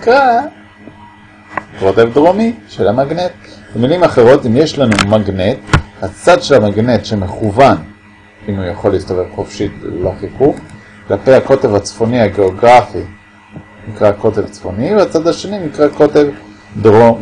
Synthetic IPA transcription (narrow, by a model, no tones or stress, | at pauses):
ikʁa | ko̞t̪evd̪ʁo̞miʃelamaɡnet̪̚ | b̥emilimaχe̞ʁo̞t̪imje̞ʃlanumaɡne̞t̪hat͡sad̪ʃe̞lamaɡne̞t̪ʃe̞meχuvan | imujaχo̞lːiːst̪aʁevχo̞fʃiteloχikuχ | klapejhako̞te̞vat͡sfo̞nihaɡe̞oɡʁafi | nikʁako̞te̞vt͡sfo̞niveat͡sad̪aʃe̞ninikʁako̞te̞v | d̪ʁom